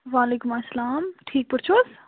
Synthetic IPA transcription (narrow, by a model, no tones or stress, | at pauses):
ʋaːleːkʊmɐslaːmʈʰiːk̚pʊɽt͡ʃʰus